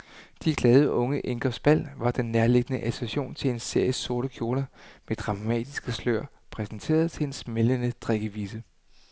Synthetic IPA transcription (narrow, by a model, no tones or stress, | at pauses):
d̥iɡ̥lɛːð̞ˠəʔɔ̽ŋəʔe̝ŋɡ̥ɒsb̥æl̰ʋɑ̈d̥enːeɐle̝ɡ̥ənəʔæsʰʁæɕo̝̰ːnt͡sʰe̝le̝nse̝ɐ̰jəso̝ɐɾ̥əkʰjo̝ːlɐmed̥ʁɑ̈mɛ̰ːd̥isɡ̥əslø̰ɐ̰ | pʰʁɛsn̩t͡sʰe̝̰ːɐð̞ˠt͡sʰe̝e̝nsmelənəd̥ʁeɡ̥əʋiːsə